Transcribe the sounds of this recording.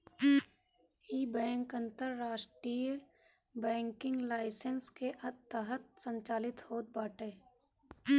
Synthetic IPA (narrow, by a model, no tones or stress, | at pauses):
iːbɛ̃ːŋkə̃nt̪əɾːaːʃʈɾijə | bɛ̃ːŋkɪ̃ŋɡlaːɪsənskeʔət̪t̪ːəɦət̪̚sə̃ɲt͡ʃaːlɪt̪hoːt̪̚baːʈeː